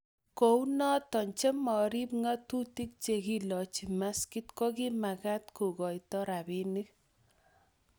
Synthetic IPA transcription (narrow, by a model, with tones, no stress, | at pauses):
ko˨wnɔ˦t̪ɔ˨ɲt͡ʃe˦mːɔ˨ɾi˦p̚ŋa˦t̪u˦t̪i˦k̚t͡ʃe˨ki˦lɔ˨t͡ʃi˨ma˦ski˦t̪kɔ˦ɡi˦ma˨ɡa˦t̪ko˨ɡɔ˨jtɔ˦ɾa˨bi˦ni˦k